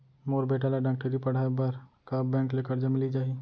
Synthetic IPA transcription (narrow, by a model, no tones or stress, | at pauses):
moːɾbʱeːʈaːlaɖaːk̚ʈəɾipɐɽ̤aːbɐɾkaːbbɛ̃ːŋkleːkəɾd͡ʒamɪlid͡ʒaːi